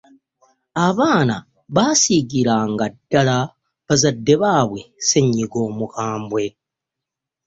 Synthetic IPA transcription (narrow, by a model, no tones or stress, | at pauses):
aβaːna | βasiɡiɾaŋɡadːala | βazadːe̞βaβwese̞ɲːiɡo̞ːmukaːmbwe̞